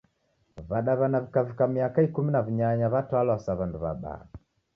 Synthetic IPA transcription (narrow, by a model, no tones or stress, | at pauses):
βaɗaβanavikavikamiakaikuminaviɲaɲaβatwalwasaβanduβa̰ɓa̰